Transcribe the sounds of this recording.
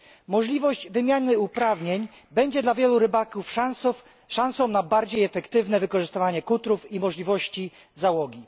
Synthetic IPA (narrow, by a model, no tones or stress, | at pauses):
mɔʐlʲivɔʑd͡ʑvɘmʲjanɘupɾavɲeɲ | bɛɲd͡ʑɛd̪lavʲjɛluɾɘbakufs | ʂãñsɔ̃w̃nabaɾd͡ʑejɛfɛkt̪ɘvnɛvɘkɔʐɘst̪ɘvaɲɛkut̪ɾufimɔʐlʲivɔɕt͡ɕi | zawɔɡʲi